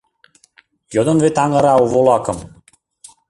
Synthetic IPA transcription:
jod̪onvet̪ɑŋə̆ɾɑuβolˠɑkɤ̆m

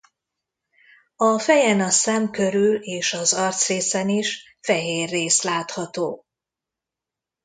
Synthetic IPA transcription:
ɒfɛjɛnɒsɛmkø̞ɾyleːʃɒzɒrt̪sreːsɛniʃ | fɛɦeːrːeːslaːt̪hɒt̪oː

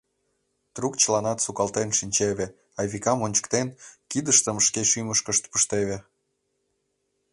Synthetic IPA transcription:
t̪rukt͡ɕəlɑnɑt̪sukɑlt̪enʃinʲt͡ɕeβe | ɑjβikɑmonʲt͡ɕə̥kt̪enkid̪əʃt̪əmʃkeʃyməʃkəʃt̪pəʃt̪eβe

